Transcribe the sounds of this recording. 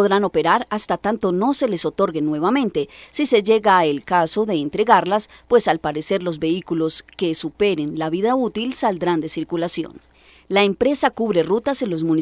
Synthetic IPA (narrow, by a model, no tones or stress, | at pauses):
ðɾano̞pe̞ɾaɾast̪at̪ant̪o̞no̞se̞le̞so̞t̪o̞ɾɡe̞nːwe̞βamẽ̞nt̪e̞sise̞d͡ʒe̞ɣaelkaso̞ðe̞ːnt̪ɾe̞ɣaɾlaspwe̞salpaɾe̞se̞ɾlo̞zbe̞ikulo̞ske̞supe̞ɾe̞nlaβiðaut̪ilsald̪ɾand̪e̞siɾkulasjo̰n | laempɾe̞sakuβɾe̞rut̪ase̞nlo̞zmũni